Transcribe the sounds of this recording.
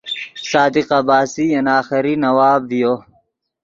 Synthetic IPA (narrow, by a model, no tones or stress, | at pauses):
saːd̪iqɐbaːsiɐnaːxiɾinɐwaːbːijoː